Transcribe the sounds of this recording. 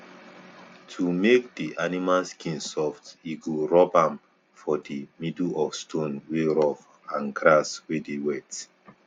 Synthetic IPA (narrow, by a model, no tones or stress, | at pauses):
tʰumek̚diʔanimalskʰĩnsɔftiɡuɹɔbãm | fɔdimiduɔfstʰõnweɹɔf | ãnɡɾaswedewɛt